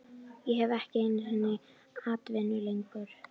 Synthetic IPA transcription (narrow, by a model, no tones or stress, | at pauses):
jɛɦɛvɛhcɪejnːɪhɛnːɪ | haːt̪vɛnːʏlejŋkʏɾ̥